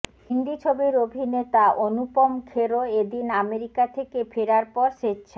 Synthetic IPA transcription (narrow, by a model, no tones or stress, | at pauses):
hind̪it͡ɕʰobiɾobʱinet̪aʔonupomkʰeɾoed̪inameɾikat̪ʰekefʰeɾaɾpɔɾʃeɕʰe